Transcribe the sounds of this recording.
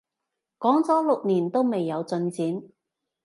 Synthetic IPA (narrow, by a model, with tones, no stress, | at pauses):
kɔː˨˥ŋt͡sɔː˨˥lʊ˨k̚niː˨˩nt̪o˥wme˨jːɐ˨˧wt͡sɵ˧nt͡siː˨˥n